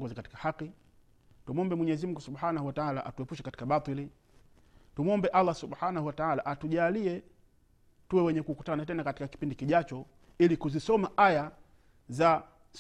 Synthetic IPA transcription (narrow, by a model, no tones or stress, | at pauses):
ɡɔzikati̥kḁhaqi | tumɔmbɛmwɛɲɛzim̩ŋɡusubħaːnahuwataʕala̰ʔa̰tuɛpuʃɛkati̥kaɓat̪ˤili | tumɔmbɛʔalːˠasubhaːnahuwataʕalaʔatuʄaːliɛ | tuwɛwɛɲɛkuːkutanatɛnakatikaki̥pindikiʄat͡ʃɔ | ilikuzisɔmaʔaja | za | s